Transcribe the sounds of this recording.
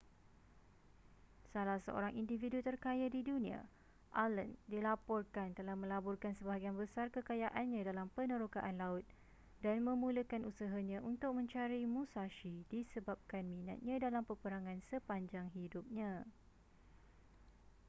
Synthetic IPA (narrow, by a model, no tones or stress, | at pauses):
salahsə̰ʔo̰ɾaŋindividut̪ərkajadidunĩa̰ | ʔaləndilapɔrkant̪əlahmə̃labɔrkansəbaɡianbəsarkəkajaʔanɲãdalampənə̃ɾokaʔanlaʊt̪̚ | danmə̃mũləkanusaɦaɲãʔunt̪ʊk̚mə̃ɲt͡ʃaɾimũsaʃidisəbap̚kanmĩna̰t̪̚ɲãdalampərpəɾaŋãnsəpaɲd͡ʒaŋɦidʊp̚ɲã